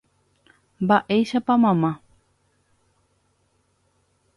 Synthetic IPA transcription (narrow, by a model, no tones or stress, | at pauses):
mbaʔejʃapamãmã